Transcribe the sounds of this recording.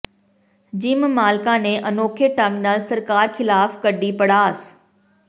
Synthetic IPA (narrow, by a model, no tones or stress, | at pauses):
d͡ʑiːmmaːlkãnẽʔɐnoːkʰeʈãŋɡnaːlsɐɾkaːɾxɪlaːfkɐɖipɐɽaːs